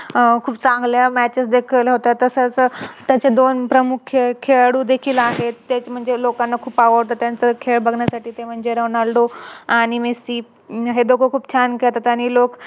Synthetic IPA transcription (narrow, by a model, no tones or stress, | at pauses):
kʰuːpt͡sãŋɡljamæt͡ɕəsd̪ekʰəlɦot̪at̪əsət͡st̪jat͡ɕed̪onpɾəmukʰjəkʰeɭɽuːd̪ekʰiːlaɦet̪ːet͡ɕm̤əɳd͡zelokanːakʰuːpaʋəɽt̪ət̪jãnt͡səkʰeɭbʱəɡɳjasaʈiːt̪em̤əɳd͡zeɾəʋnalɖoaɽ̃imesiː | ɦed̪okʰokʰuːpt͡ɕʰankeɭt̪at̪jañilok